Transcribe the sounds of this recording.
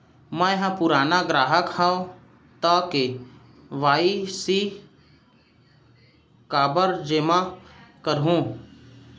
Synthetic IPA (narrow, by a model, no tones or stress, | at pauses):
mɛ̃jɦə̃pʊɾaːnaɡɾaːɦəkhɛ̃õ | t̪ake | ʋaːisi | kaːbəɾd͡ʒeːmakəɾɦũː